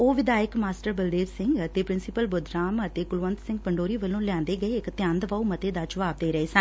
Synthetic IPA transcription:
oːʋɪd̪aːɪkmaːsʈəɾbəld̪eːʋsɪ̃ŋɡət̪eːpɾɪnsɪpəlbʊd̪ɾaːmət̪eːkʊlʋə̃nt̪sɪ̃ŋɡ̚pəɳɖoːɾiːʋəlːõːljãːnd̪eːɡəeːɪkt̪ɪjãːnd̪ʋaːumət̪eːd̪aːd͡ʒəʋaːb̚d̪eːɾəeːsə̃n

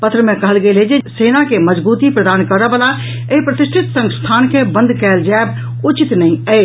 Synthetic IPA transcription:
pɐt̪ʰɾəmẽkɐɦəlɡeleːd͡ʒeseːnakemɐd͡ʒbuːt̪ipɾəd̪aːnkɐɾəʋəla | epɾɐt̪ɪsʈʰɪt̪sɐ̃ŋst̪ʰaːnkʰebɐ̃nd̪ʱkɛːld͡ʒaːb̚ | ʊt͡ʃɪt̪nɐĩə

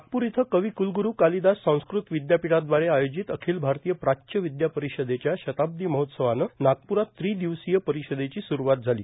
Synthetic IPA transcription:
ak̚puɾit̪ʰəkəʋiːkulɡuɾuːkalid̪assə̃w̃skɾut̪ʋid̪japiʈad̪ʋaɾeajod͡ʑit̪əkʰiːlbʱaɾt̪ijəpɾaɕəʋid̪japəɾiɕəd̪et͡ɕjaɕət̪ab̚d̪iːməɦot̪səʋanənak̚puɾat̪ːɾiːd̪iʋsijəpəɾiɕəd̪et͡ɕiːsuɾuʋat̪̚d͡zʱalḭː

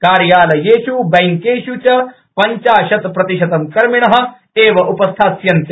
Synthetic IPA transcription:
kaːɾjaːlɐjeːʃubɐjŋkeːʃut͡ʃɐ | pɐɲt͡ʃaːʃɐt̪pɾɐt̪iʃɐt̪ɐmkɐɾmiɳɐɦɐ̆ | eːʋɐʔupɐst̪ʰaːsjɐnt̪ɐ

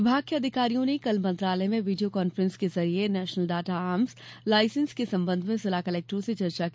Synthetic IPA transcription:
ɪbʱaːɡ̚kiɐd̪ʱɪkaːɾijõnekɐlmɐ̃nt̪ɾaːləemẽʋiɖijokaːnfɾə̃nskezɐɾienɛːʃnəlɖaːʈaaːmzlaːɪsə̃nskesɐ̃mbə̃nd̪ʱmẽsɐlaːkɐlɛːk̚ʈɾõset͡ʃɐɾt͡ʃak

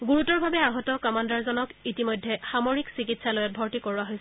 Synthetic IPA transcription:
ɡuɹutɔɹbʱabɛaɦɔtɔkɔmandaɹzɔnɔkitimojdʱːɛxamoɹiksikitsalojɛbʱɔɹtikoɹuaɦojs

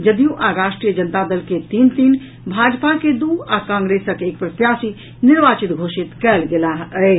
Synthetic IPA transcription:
d͡ʒəd̪ijũʔaɾaʃʈɾijəd͡ʒənt̪ad̪əlket̪int̪in | bʱad͡ʒpaked̪uakãŋɡɾesəkeːk̚pɾət̪jasi | niɾbat͡ʃit̪ɡʱosit̪kɛlɡelaɦə

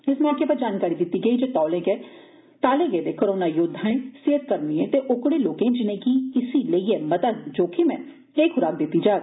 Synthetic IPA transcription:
ɪsmɛ̃aːkeːpəɾd͡ʒaːnkaːɾiːd̪ɪt̪ːiːɡəiːd͡ʒeːt̪ɔːlẽːɡəeː | t̪aːlẽːɡəeːd̪eːkoɾoːnaːjʊd̪ʱaẽːseːət̪̚kəɾniẽːt̪eːʔʊkɽeːloːkẽːd͡ʒɪnẽːkiɪsiːləieːmət̪əd̪d͡ʒoːkimɛ̃ː | eːkʊɾaːk̚d̪ɪt̪ːiːd͡ʒaːd̪

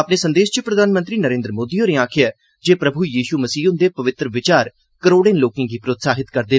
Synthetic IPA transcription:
əpneːsə̃nd̪eːʃt͡ʃəpɾəd̪ʱaːnmə̃nt̪ɾiːnəɾẽːnd̪ɾəmoːd̪iːoːɾẽːaːkʰɪjaː | d͡ʒeːpɾəbʱujiːʃuːməsiːʊnd̪eːpəʋɪt̪ɾəʋɪt͡ʃaːɾ | kəɾoːɽẽːnloːkẽːɡiːpɾoːt̪saːɦɪt̪kəɾd̪eː

